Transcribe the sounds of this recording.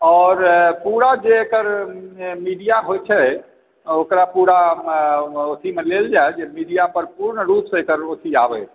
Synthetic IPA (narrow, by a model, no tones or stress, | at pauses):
ɔːɾpuɾad͡ʒeekəɾ | miɖijaɦojt͡ʃʰɛ | okɾapuɾa | ot̪ʰimeleld͡ʒajd͡ʒemiɖijapəɾpuɾɳɾupsekəɾot̪ʰiabɛ